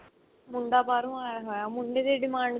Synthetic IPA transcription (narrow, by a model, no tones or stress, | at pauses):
mʊɳɖ̪aːpaːɾũaːɦoamʊɳɖeːd̪eːɖɪmãːɳɖ